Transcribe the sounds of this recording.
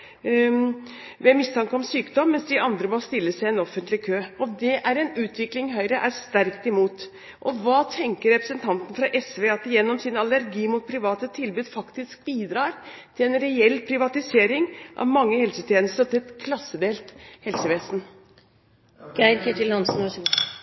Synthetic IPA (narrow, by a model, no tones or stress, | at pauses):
ʋɛmɪst̪ʰɑŋkəɔmsyːkd̪ɔmːɛnsd̪ɪʔɑnd̪ɾəmɔst̪ɪlːəsæɪɛnɔfənt̪lɪkʰøːɔd̪ɛʔæɾɛnʉːt̪ʰʋɪklɪŋɦœʏɾəʔæɾst̪æɾkt̪ɪmuːt̪ | ʔɔʋɑːt̪ʰɛŋkəɾɛpɾəsənt̪ʰɑnt̪ən̩fɾɑʔɛsʋeːɑt̪jɛnːɔmsɪnɑlæɾɡiːmʊt̪̚pʰɾɪʋɑːt̪ət̪ʰɪlbʉːd̪fɑkt̪ɪsk̚biːd̪ɾɑːɾt̪ʰɪlɛnɾɛɛlːpʰɾɪʋɑt̪ɪseːɾɪŋʔɑ̰ʋmɑŋːəhɛlsət̪ʰjɛːnəst̪ət̪ʰɪɛt̪kʰlɑsːəd̪eːlt̪hɛlsəʋeːsn̩ | ɡ̥æɪɾkʰɛʈ̪ɪlhɑnsn̩ʋæʂ